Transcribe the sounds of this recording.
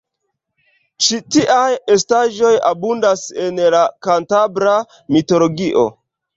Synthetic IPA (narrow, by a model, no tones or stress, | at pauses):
t͡ʃitiʔajestaʒo̞ja̰bundase̞nlakantabɾa | mitolo̞ɡiʔo̞̰